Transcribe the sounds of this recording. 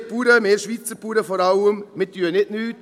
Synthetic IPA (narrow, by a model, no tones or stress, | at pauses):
puːɾəmeːʃʋiːt͡səpuːɾəfoːɾɑləmmɪtyːənɪtnyːt